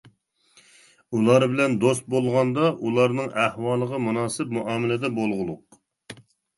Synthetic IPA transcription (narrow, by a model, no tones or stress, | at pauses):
ulˠɑɾbɪlɛnd̪ost̪̚bolˠʁɑnd̪ɑʔulˠɑɾnɨŋʔæhwɑːlˠəʁəmunɑːsɨp̚muʔɑːmɪlɪd̪ɛbolˠʁʊlˠʊq̚